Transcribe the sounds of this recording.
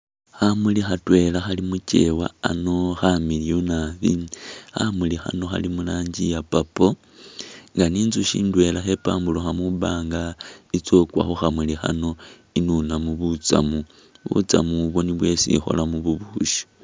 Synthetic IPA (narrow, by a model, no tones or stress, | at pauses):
xamulixatwe̞laxalimut͡ʃe̞̰waano̞xamilijonaβixamulixa̰no̞xa̰limulaːɲɟijapapo | ŋɡaniːnzuʃḭːndwe̞laxe̞paːmbuloxamuβaːŋɡait͡so̞kwa̰xoxamulixa̰no̞ | inunamuβut͡sa̰mu | βṵt͡sa̰muβo̞niβwe̞sḭxo̞̰lamuβuβuʃi̥